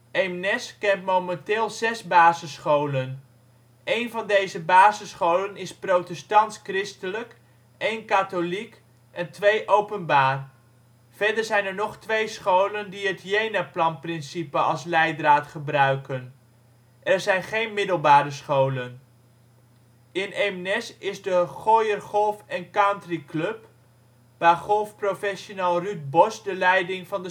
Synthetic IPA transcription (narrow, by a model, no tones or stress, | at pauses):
emnɛskɛntmowmɛntɪːlˠzɛzbaːzəsχowlən | ejnvɑndejzəbaːzəsχowlənɪsprowtɛstɑntskrɪstələk | ejnkatolik | ɛntʋejʔowpənbaːr | v̥ɛɹdəɹzɛjnɛɹnɔχtʋejsχowləndiɦətjejnaplɑnprɪnsipəʔɑlˠslɛjdraːtχəbrœɥkən | ʔɛɹzɛjnχejnmɪdəlˠbaːɾəsχowlən | ɪnemnɛsɪzdəχojərχɔlˠfɛnkantriklɵp | b̥aχɔlˠfprofɛʃonaːlˠryt̚bɔsdəlɛjdɪŋvɑndə